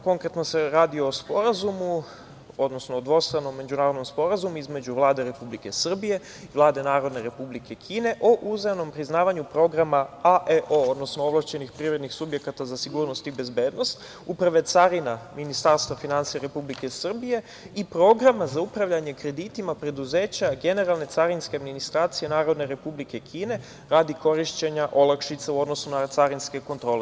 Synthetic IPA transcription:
ko̞ŋkɾe̞t̪no̞se̞ɾaːd̪io̞ospo̞ɾazumu | od̪no̞snood̪ʋo̞st̪ɾano̞mːe̞d͡ʑunaːɾod̪nomspo̞ɾazumuizme̞d͡ʑuʋlˠaːd̪e̞ɾe̞publike̞sr̩bije̞ | iʋlˠaːd̪e̞naːɾo̞d̪ne̞ɾe̞publikʰe̞kʰiːne̞ʔo̞ʔuzeno̞mpɾiznaːʋaɲupɾo̞ɡɾamaaʔeʔood̪nosnooʋlˠaʃt͡ɕe̞nixpɾiːvɾe̞d̪nixsubje̞kat̪azasiɡuːɾno̞st̪ibe̞zbe̞ːd̪no̞st̪ | upɾaʋe̞t̪saɾinaminist̪aɾst̪ʋafinant̪sijaɾe̞publike̞sr̩bije̞ | ipɾo̞ɡɾamazaupɾaʋʎaɲe̞kɾe̞d̪it̪imapɾe̞d̪uze̞ːt͡ɕaɡe̞ne̞ɾalˠne̞t̪saɾinskead̪minist̪ɾaːt̪sije̞naːɾo̞d̪ne̞ɾe̞publike̞kʰiːne̞ | ɾaːd̪iko̞ɾiʃt͡ɕe̞ɲaʔo̞lˠakʃit̪sauo̞d̪no̞sunat̪saɾinske̞ko̞nt̪ɾo̞ːle

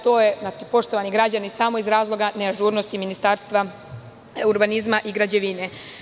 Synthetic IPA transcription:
t̪oːjeznaːt͡ʃipo̞ʃt̪oʋaniɡɾad͡ʑanisamo̞izɾaːzlˠo̞ɡaneaʒuːɾnost̪iminist̪aːɾst̪ʋa | uɾbanizmaʔiɡɾad͡ʑeʋine

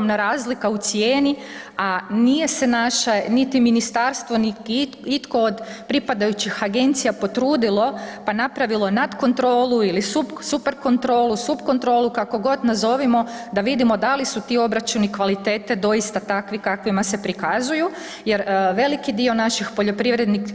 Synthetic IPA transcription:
omnaɾaːzlikaut̪sjeːni | anije̞se̞naʃenit̪iminist̪aɾst̪ʋo̞nii | it̪ko̞od̪pɾipad̪ajut͡ɕixaɡe̞nt̪sijapo̞t̪ɾuːd̪ilo̞panapɾaʋilˠonad̪ko̞nt̪ɾo̞ːluilisupsupe̞ɾko̞nt̪ɾo̞ːlˠusupko̞nt̪ɾo̞ːlukako̞ɡo̞d̪nazo̞ʋimo̞d̪aʋid̪imo̞d̪alisut̪io̞bɾat͡ʃunikʋalit̪eːt̪e̞d̪o̞jist̪at̪akʋikakʋimase̞pɾikazuju | je̞ɾʋe̞likid̪io̞naʃixpo̞ʎo̞pɾiʋɾe̞d̪nik

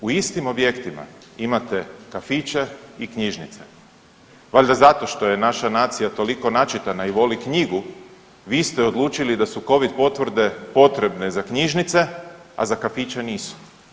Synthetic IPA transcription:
uist̪imo̞bje̞kt̪ima̰ | imat̪e̞kafit͡ʃe̞ikɲiʒnit̪se̞ | ʋaʎʲd̪azat̪o̞ʃt̪o̞je̞naʃanaːt̪sijat̪o̞liko̞nat͡ʃit̪anaiʋo̞likɲiɡu | ʋiːst̪eo̞d̪lˠuːt͡ʃilid̪asuko̞ʋid̪̚po̞t̪ʋr̩d̪e̞po̞t̪ɾe̞bne̞zakɲiʒnit̪se̞a̰zakafit͡ʃeniːsu̥

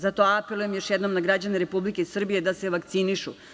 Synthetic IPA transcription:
zat̪o̞apelˠujemjo̞ʃjed̪no̞mnaɡɾad͡ʑane̞ɾe̞publike̞sr̩bije̞d̪ase̞ʋakt̪siniʃṵ

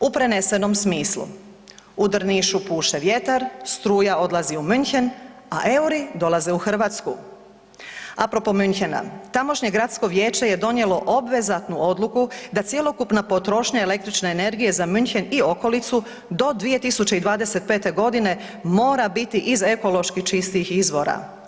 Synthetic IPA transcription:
upɾe̞ne̞se̞no̞msmiːslṵ | ud̪r̩niʃupuːʃeʋje̞t̪aɾst̪ɾuːjao̞d̪lˠaziumynçen | a̰ʔe̞uɾid̪o̞lˠaze̞uxr̩ʋat̪sku | apɾopo̞mynçena̰t̪amo̞ʃɲe̞ɡɾat̪sko̞ʋje̞ːt͡ʃe̞je̞d̪o̞nje̞lo̞ʔo̞bʋe̞zat̪nuʔo̞d̪lukud̪at̪sje̞lˠo̞kupnapo̞t̪ɾo̞ʃɲae̞le̞k̚t̪ɾit͡ʃne̞ːne̞ɾɡije̞zamynçenio̞ko̞lit̪su | d̪o̞d̪ʋije̞t̪isut͡ɕeid̪ʋaːd̪e̞se̞t̪̚pe̞ːt̪eɡo̞d̪ine̞ | mo̞ːɾabit̪iʔize̞ko̞lo̞ʃkiçt͡ʃist̪ixizʋo̞ɾa̰

